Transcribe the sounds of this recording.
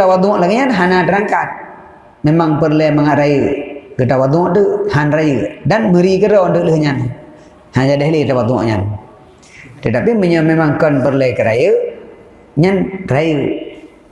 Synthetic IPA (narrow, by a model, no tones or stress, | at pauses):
awad̪uŋɔʔlaɡiɲanɦanatəɾaŋkat̪̚ | memaŋpəɾlɛmaŋaʔɾajəɡətawad̪uŋɔʔʈəʔhanɾajədanməɾikəɾɔndəʔləhɲan | had͡ʒadɛɦlit̪awat̪uŋɔ̰ʔɲa̰n | t̪ət̪apiməɲɔmemaŋkɔnpəɾlɛkəɾajə | ɲanrajə